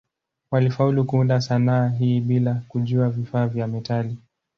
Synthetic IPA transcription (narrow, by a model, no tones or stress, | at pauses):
walifaulukuundasanaːɦiːɓilakuʄuavifaːvjamɛtali